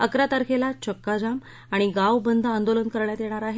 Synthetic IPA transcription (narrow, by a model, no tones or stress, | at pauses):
əkɾat̪əɾkʰelat͡ɕəkːad͡zam | aɽ̃iɡaʋbənd̪ʱəənd̪olənkəɾɳjat̪jeɽ̃aɾaɦe